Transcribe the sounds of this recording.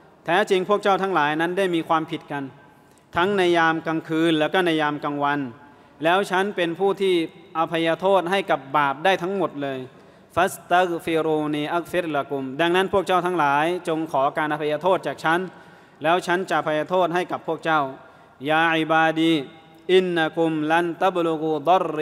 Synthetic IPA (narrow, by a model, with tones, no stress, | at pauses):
t̪ʰɛː˦˥t͡ɕi˧ŋpʰu˥˩ək̚t͡ɕa˥˩wt̪ʰa˦˥ŋlaː˩˦jna˦˥ndaː˥˩jmiː˧kʰwaː˧mpʰi˨˩t̪̚ka˧n | t̪ʰa˦˥ŋna˧˥jːaː˧mka˧ŋkʰɯː˧nlɛː˦˥˩kɔː˥˩na˧˥jaː˧mka˧ŋwa˧n | lɛː˦˥wt͡ɕʰa˦˥npe˧npʰuː˥˩t̪ʰiː˥˩ʔa˧pʰa˧jaː˧t̪ʰoː˥˩t̪̚ɦa˥˩jka˨˩p̚baː˨˩p̚daː˥˩jt̪ʰa˦˥ŋmo˨˩t̪̚lɤː˧j | fa˦st̪a˦˥ɣfi˧ɾuː˧niː˧ʔa˦ɣfi˦ɾla˧ku˧mda˧ŋna˦˥npʰu˥˩ək̚t͡ɕa˥˩wt̪ʰa˦˥ŋlaː˩˦jt͡ɕo˧ŋkʰɔː˩˦kaː˧nʔa˧pʰa˧jaː˧t̪ʰoː˥˩t̪̚t͡ɕaː˨˩k̚t͡ɕʰa˦˥n | lɛː˦˥wt͡ɕʰa˦˥nt͡ɕa˨˩ʔa˧pʰa˧jaː˧t̪ʰoː˥˩t̪̚ɦa˥˩jka˨˩pʰːu˥˩ək̚t͡ɕa˥˩w | jaː˧ʔi˨˩baː˧diː˧ | ʔi˦nːa˧ku˧mla˧˦˥nt̪a˦˥blu˧ɣu˧d̪ɔ˦˥r